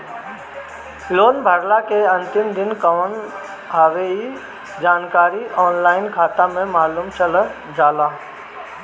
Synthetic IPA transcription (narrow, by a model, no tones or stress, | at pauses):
loːnbʱəɾlakeɐ̃nt̪ɪmd̪ɪnkəʋən | ɦaʋei | d͡ʒaːnkaːɾiʔɔːnlaːɪnkʰaːt̪ãmẽmaːluːmt͡ʃələ | d͡ʒaːlaː